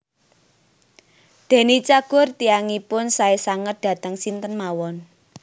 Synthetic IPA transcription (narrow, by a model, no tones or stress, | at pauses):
d̪̥e̤nit͡ʃaɡ̥ʊ̤rt̪iaŋipʊnsaesaŋət̪̚d̪̥a̤t̪əŋsint̪ənmawɔn